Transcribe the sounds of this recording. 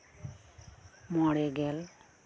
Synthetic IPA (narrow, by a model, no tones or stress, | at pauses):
mɔɽɛɡɛl